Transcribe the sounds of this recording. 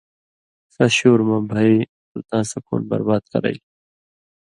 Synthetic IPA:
sɐɕoːɾmãːbʱai | ult̪ãːsɐko̰ːnbɐ̰ɾbaːd̪̚kɐ̰ɾɐ̰i

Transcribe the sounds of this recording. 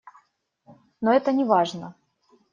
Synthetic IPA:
noɛt̪ənʲɪvaʐnə

